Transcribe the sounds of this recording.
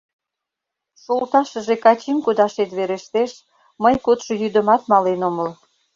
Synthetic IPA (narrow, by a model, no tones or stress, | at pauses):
ʃolt̪ɑʃəʒekɑt͡ɕimkud̪ɑʃet̪βeɾeʃt̪eʃ | məjkot̪ʃŏjyd̪ə̆mɑt̪mɑlenoməl